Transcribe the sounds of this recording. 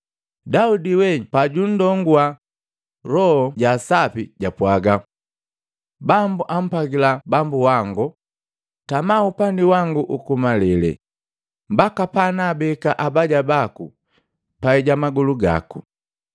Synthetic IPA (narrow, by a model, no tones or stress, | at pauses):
daudiwɛpaɟun̩dɔŋɡua | ɾɔhɔɟasapiɟapwaɡa | bambuʔam̩paɡilabambuwaŋɡu | tamaupandiwaŋɡuʔukumalɛlɛ̰ | mbakapanaːbɛkaʔabaɟabakṵ | paɛɟamaɡuluɡa̰kṵ